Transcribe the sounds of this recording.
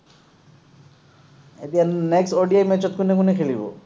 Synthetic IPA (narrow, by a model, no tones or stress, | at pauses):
et̪ijaneksʈɔɖiajmɛt͡ʃɔt̪̚kunekunekʰelibo̰